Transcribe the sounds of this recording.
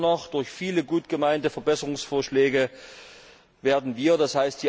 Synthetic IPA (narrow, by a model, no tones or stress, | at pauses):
nɔχd̥ʊɐçfiːləɡuːtɡ̥əmaɪntəfɛɐbɛsəʁʊŋsfoːɐʃlɛːɡə | veːɐdn̩viːɐdashaɪst̚d̥iː